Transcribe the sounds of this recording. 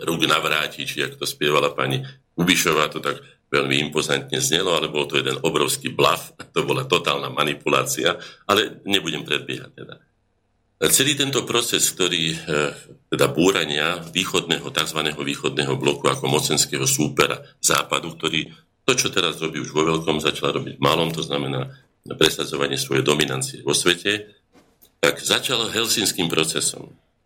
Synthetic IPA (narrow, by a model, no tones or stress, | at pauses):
ɾuːɡnaʋɾaːcit͡ʃiakt̪ɔspɪɛʋalapa̰ɲi | ubiʃɔʋaːt̪ɔt̪aɡ | ʋɛʎmiimpɔzant̪ɲɛzɲɛlɔalɛbɔlt̪ɔjɛd̪ɛnɔbɾɔʊskiːbla̰fat̪ɔbɔlat̪ɔt̪aːlnamanipula̰ːt͡siaalɛɲɛbuɟɛmpɾɛd̪̚bɪɛɦa̰c̚t̪ɛd̪a | t͡sɛliːt̪ɛnt̪ɔpɾɔt͡sɛskt̪ɔɾiː | t̪ɛd̪abuːɾaɲɪaʋiːxɔd̪nɛːɦɔt̪aɡzʋanɛːɦɔʋiːxɔd̪nɛːɦɔblɔkuakɔmɔt͡sɛnskɛːɦɔsuːpɛɾa̰z̥a̰ːpad̪uk̚t̪ɔɾiː | t̪ɔt͡ʃɔt̪ɛɾazɾɔbiːuʒʋɔʋɛʎkɔmzat͡ʃalaɾɔbiɟmalɔmt̪ɔznamɛnaː | pɾɛsad͡zɔʋaɲɪɛsʋɔjɛjd̪ɔminant͡siɛʋɔsʋɛcɛ | t̪aɡzat͡ʃalɦɛlsinskiːmpɾɔt͡sɛsɔ̰m